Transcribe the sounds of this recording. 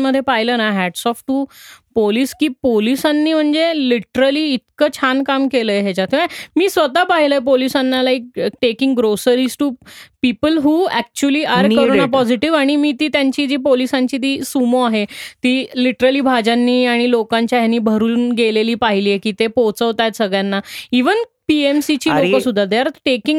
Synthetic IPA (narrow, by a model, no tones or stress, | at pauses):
məd̪ʱːjepaɦilənaɦæɖsɔfʈupoliːskiːpolisanːiːm̤əɳd͡zeliʈəɾəliːt̪̚kəːt͡ɕʰankamkeləːjɦet͡ɕat̪ʰĩʋamiːsʋət̪apaɦiləːjp̬olisanːalaik̚ʈekĩŋɡɡɾosəɾisʈupipəlɦuːɛk̚t͡ɕuəliːaɾkəɾnapɔd͡ʑiʈiʋaɽ̃imiːt̪iːt̪jaɲt͡ɕiːd͡ʑiːpolisãɲt͡ɕiːt̪iːsumoaɦet̪iːliʈɾəliːbʱad͡ʑãnːiːaɽ̃ilokãɲt͡ɕjaɦjanːiːbʱəɾuːnɡeleliːpaɦiliːekiːt̪epowt͡səʋt̪ajt̪səɡɭjanːaiʋənpiemsit͡ɕiːlokkəsud̪ʱːad̪eaɾʈekĩŋɡ